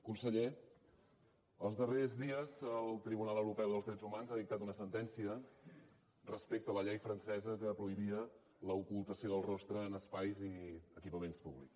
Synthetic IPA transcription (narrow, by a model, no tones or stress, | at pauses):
kunsəʎe | əlˠzðərezðiəzəlˠt̪ɾiβunalˠəwɾupɛwðəlˠzðɾɛd͡zzumanzaðik̚t̪at̪unəsənt̪ɛnsiə | rəspek̚t̪ələʎɛjfɾənsɛzəkəːpɾuiβiə | ləukulˠt̪əsioðəlˠrɔst̪ɾəːnəspajziəkipəmenspuβlḭks